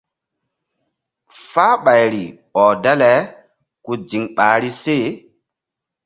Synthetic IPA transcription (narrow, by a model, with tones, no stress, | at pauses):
faː˦ɓa˨jɾi˨ | ɔ˨da˦lɛ˨ | ku˨d͡ʒi˨ŋɓaː˨ɾi˦se˦˨